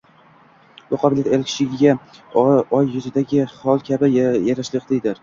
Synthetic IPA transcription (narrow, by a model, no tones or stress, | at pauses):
bʊqʰɑbɪljat̪e̞lkʲɪ̥ʃɪɡʲɪɡʲa | ɒjːʊzɪd̪aɡʲɪhɒlˠkʲʰabɪjaɾaʃlɪqd̪ejd̪ɪɾ